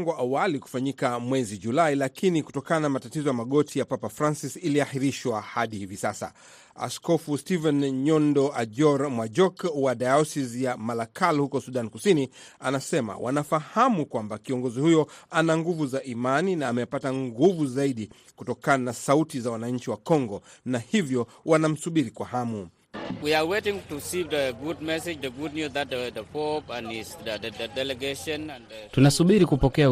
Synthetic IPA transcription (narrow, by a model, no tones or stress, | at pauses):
ŋɡɔʔawaliku̥faɲikamwɛziʄulailakʰiniku̥tɔkananamatatizɔjamaɠɔtʰijapapafɾansisiliahiɾiʃwahaɗihivisasa̰ | a̰skɔfustivɛnɲɔndɔʔaʄɔɾmwad͡ʒɔkwaɗajɔsizjamalakʰalhukɔsuɗankusinianasɛma̰wʔa̰nafahamukwambakiɔŋɡɔzihujɔanaŋɡuvuzaʔimaninaːmɛpataŋɡuvuzaiɗi | kutɔkananasautizawanaɲ̩t͡ʃiwakɔŋɡɔnahivjɔ | wanam̩suɓiɾikwahamu | wiawetɪ̃ŋtusivdəɡud̚mɛsɪd͡ʒðəɡud̚njuzðat̚ədəpɔpanisəədɛlɛɡeʃɔ̃nãntunasuɓiɾikupɔkɛa